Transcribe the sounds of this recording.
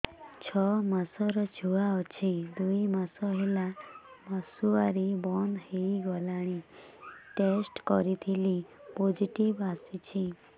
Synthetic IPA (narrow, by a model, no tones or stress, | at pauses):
t͡ʃʰɔmasɔɾɔd͡ʒʰʱuaɔt͡ʃʰid̪uimasɔɦelamasuaɾibɔnd̪ɦeiɡɔlaɽ̃i | ʈesʈkɔɾit̪ʰilipod͡ʒiʈibasit͡ʃʰi